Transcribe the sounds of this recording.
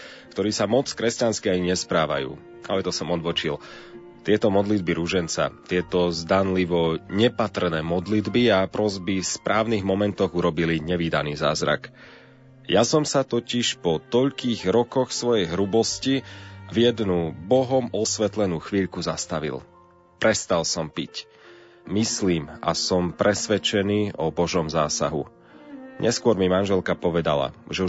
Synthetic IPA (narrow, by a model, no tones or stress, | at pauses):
kt̪ɔɾiːsamɔt͡skɾɛscanskiaiɲɛspɾaːʋa̰jṵː | alɛt̪ɔsɔmɔd̪ʋɔt͡ʃil | t̪ɪɛt̪ɔmɔd̪lid̪biɾuʒɛnt͡sa̰t̪ɪɛt̪ɔzd̪anliʋɔɲɛpat̪r̩nɛːmɔd̪lid̪biapɾɔzbifspɾʔaːʊniːɣmɔmɛnt̪ɔɣuɾɔbiliɲɛʋiːd̪aniːza̰ːzɾa̰k | jasɔmsat̪ɔciʃpɔt̪ɔʎkiːɣɾɔkɔxsʋɔjɛjɦɾubɔscivjɛd̪nubɔɦɔmɔsʋɛt̪lɛnuːxʋiːʎkuzast̪aʋḭlˠ | pɾɛst̪alˠsɔmpic | misliːma̰sɔmpɾɛsʋɛt͡ʃɛniːʔɔbɔʒɔmzaːsa̰ɦṵ | ɲʔɛskʊɔɾmimanʒɛlkapɔʋɛd̪a̰la̰ʒɛu